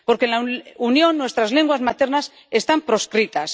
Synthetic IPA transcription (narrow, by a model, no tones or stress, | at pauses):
po̞ɾkenlaunjõ̞nːwe̞st̪ɾazle̞ŋɡwazmat̪e̞ɾnas | e̞st̪ampɾo̞skɾit̪as